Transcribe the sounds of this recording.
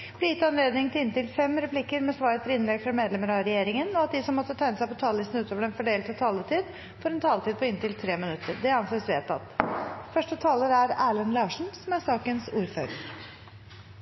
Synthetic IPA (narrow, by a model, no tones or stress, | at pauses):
b̥lɪjɪt̪ːɑnleːd̪nɪŋt̪ɪlɪnt̪ɪlfɛmɾɛpʰlikəɾmɛsʋɑːɾət̪ʰɪlɪnlɛɡfɾɑmeːd̪lɛməɾɑɾɛjeːɾɪŋənɔɑt̪̚d̪ɪsɔmːɔt̪ːət̪ʰæɪnəsæɪpʰɔt̪ʰɑːllɪst̪n̩ʉːt̪ʰoːʋəɖɛnfɔɖeːlt̪ʰɑt̪ʰɑːlət̪ʰiːd̪ | fɔɾɛnt̪ʰɑːlət̪iːd̪̚pʰɔɪnt̪ɪlt̪ʰɾeːmɪnʉt̪ːəɾd̪ɛɑnseːsʋeːt̪ʰɑ̰t̪ːfœʂʈət̪ʰɑːləɾæɾæːɭənlɑːʂɳ̩sɔmæsɑːkənsuːɾfø̰ːɾəɾ